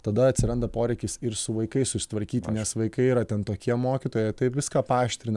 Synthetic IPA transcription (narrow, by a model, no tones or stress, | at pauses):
t̪ɐd̪ɐɐt̪ʲsʲɪɾɐnd̪ɐpoːɾʲɛɪkʲɪsɪɾsʊʋɐɪkɐɪssʊsʲɪ̥t̪ʋɐɾʲkʲiːt̪ʲɪnʲɛsʋɐɪkɐɪiːɾɐt̪ʲɛnt̪oːkʲiɛmoːkʲɪt̪oːjɛɪt̪ɐɪpʋʲɪskɑːpɑːʃʲt̪ʲɾʲɪn